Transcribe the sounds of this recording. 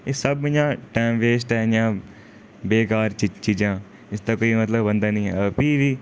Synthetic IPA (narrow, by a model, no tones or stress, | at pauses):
esəbmɪd͡ʒãːʈɛːmʋeːsʈɛːnjãː | beːkaːɾt͡ʃɪt͡ʃiːd͡ʒãː | ɪsd̪aːkoːiːmət̪ləbənd̪aːnĩːɦɛ̰ːəpiːʋiː